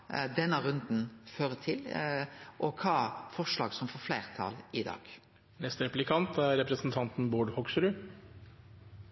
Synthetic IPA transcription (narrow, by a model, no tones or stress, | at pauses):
d̪ɛnːəɾʉnd̪n̩føːɾət̪ʰɪl | ʔɔkʰɑːfɔʂlɑ̰ːɡsɔmfɔflæɪʁt̪ʰɑ̰lɪd̪ɑ̰ːɡ̥ | nɛst̪ɾɛplɪkʰɑnt̪ʰæɾɾɛpɾɛsn̩t̪ʰɑnt̪n̩buːɖhɔksɾʉ